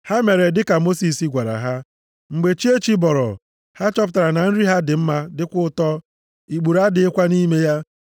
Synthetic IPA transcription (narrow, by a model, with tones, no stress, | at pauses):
ha˦me˨ɾe˨dɪ˦ka˨mo˦si˨si˦ɡʷa˨ɾa̰˨ɦa˦ | ŋ͡m̩˨ɡ͡be˨t͡ʃi˦e˦t͡ʃi˦bɔ˨ɾɔ̰˨ | ha˦t͡ʃɔ˦p̬ʊ˨ta˨ɾa˨na˨n̩˦ɾi˦ɦa˦dɪ˨m̩˦ma˦dɪ˦kʷʊ˦ʊ˦tɔ˦ | i˨ɡ͡bu˨ɾa˦dɪ˨˦ɪ˦kʷa˦ni˦me˦ja˦